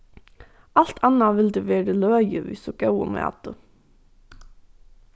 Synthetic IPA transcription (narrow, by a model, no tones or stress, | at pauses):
ɑlt̪ʰɑnɑʋɪld̪eːʋeːɖəløːjəʋɪ̰soɡ̥ɑʉə̰mḛːɑ̰t̪̚d̪̥ʉ